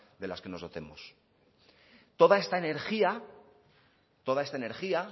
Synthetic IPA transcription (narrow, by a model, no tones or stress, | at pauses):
d̪e̞laske̞no̞zðo̞t̪e̞mos | t̪o̞ðae̞st̪aene̞ɾxia | t̪o̞ðaest̪aene̞ɾxia